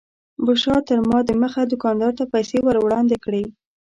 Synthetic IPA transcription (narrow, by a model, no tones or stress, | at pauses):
bʊʃɑt̪əɾmɑd̪əməxad̪ʊkɑnd̪ɑɾt̪apajsewəɾwɽɑnd̪ekɽe